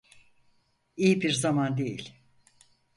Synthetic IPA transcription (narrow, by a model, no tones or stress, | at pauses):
ijibiɾzamand̪ejḭlʲ